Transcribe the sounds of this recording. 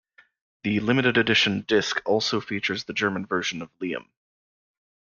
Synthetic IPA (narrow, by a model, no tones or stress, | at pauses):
ðɨlɪ̃mɨɾɨɾɨdɪʃɨ̃n̩dɪskʰɔlˠsoʊfit͡ʃə˞zðɨd͡ʒɜ˞mə̃nvɜ˞ʒɨ̃nʌvliɨ̰̃m